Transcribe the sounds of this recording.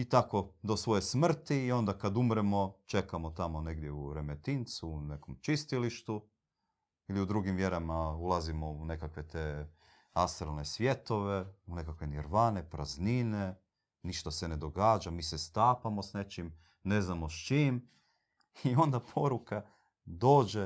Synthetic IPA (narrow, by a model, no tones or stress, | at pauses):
it̪ako̞d̪o̞sʋo̞jesmr̩t̪iːo̞nd̪akad̪umɾemo̞t͡ʃe̞kamot̪amo̞ne̞ɡd̪jeuɾemet̪int̪suːne̞komt͡ʃist̪iliʃt̪u | iliud̪ɾuɡimʋje̞ɾamaulˠazimo̞une̞kakʋe̞t̪eː | ast̪ɾalnesʋje̞t̪o̞ʋeune̞kakʋeniɾʋaːne̞pɾaznine | niʃt̪asene̞d̪o̞ɡaːd͡ʒamiːsest̪aːpamo̞sne̞t͡ʃim | ne̞znamo̞st͡ʃiːm | io̞nd̪apʰo̞ɾuka | d̪o̞ːd͡ʒe